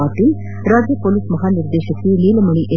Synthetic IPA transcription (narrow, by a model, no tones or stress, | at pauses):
aːt̪in | ɾaːd͡ʒjɐpolismɐɦaːniɾd̪eːʃɐkːiliːlɐmɐɳiʔe